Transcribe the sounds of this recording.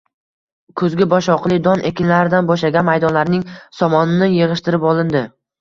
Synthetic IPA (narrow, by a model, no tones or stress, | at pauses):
kʰɵzɡʲɪbɒʃɒqlˠɪd̪ɒnʔekʲɪnlaɾɪd̪anbɒʃlaɡʲanmajd̪ɒnlaɾnɪŋsɒmɒnɪnɪjeʁɨʃt̪ɪɾɪpɒlˠɪnd̪ɪ